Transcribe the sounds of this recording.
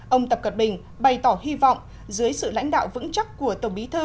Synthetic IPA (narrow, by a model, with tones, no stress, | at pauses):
ʔə˧wŋ͡mt̪ə˨˩p̚kə˨˩t̚ɓï˨˩ŋ̟ | ɓa˨˩jt̪ɔː˧˩hi˧vɔ̰˧˨wŋ͡m | zɨː˨˦əjsɨ̰˧˨la̰˧˥ŋ̟ɗa̰ː˧˨wvɨ̰˧˥ŋt͡ɕa˦˥t̚ku˧˩ət̪ə˧˩wɓi˨˦t̪ʰɨː˧